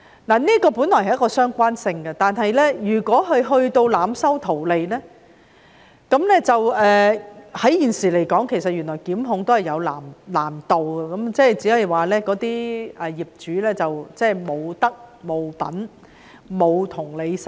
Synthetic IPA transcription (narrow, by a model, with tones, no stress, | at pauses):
naː˨˩niː˥kɔː˧puː˨˥nlɔː˨˩hɐ˨jɐ˥kɔː˧sœː˥ŋkʷaː˥nsɪ˧ŋɡɐ˧t̪aː˨nɦɐ˨jlɛː˥jyː˨˩kʷɔː˨˥ɦɵ˨˧ɥɦɵ˧ɥt̪o˧wlaː˨˥msɐ˥wt̪ʰo˨˩wle˨jlɛː˥ | kɐ˨˥mlɛː˥t͡sɐ˨wɛː˨hɐ˨˥jjiː˨˩nsiː˨˩le˨˩jkɔː˨˥ŋkʰe˨˩jsɐ˨t̚jyː˨˩nɔː˨˩jkiː˨˥mɦʊ˨˧ŋt̪o˥whɐ˨˩jɐ˨˧wla̰ː˨˩mlaː˨˩mt̪o˨wɡɛ˧kɐ˨˦mt͡sɛː˥˩jt͡siː˨˥hɐ˨jwaː˨lɛː˥kɔː˨˥t̪iː˥ʔɛː˨˩jiː˨˩p̚t͡ʃyː˨˥lɛː˥t͡sɐ˨wt͡sɛː˥˩mo˨˧wt̪ɐ˥k̚mo˨˧wpɐ̰˨˥n | mo˨˧wt̪ʰʊ˨˩ŋle˨˧js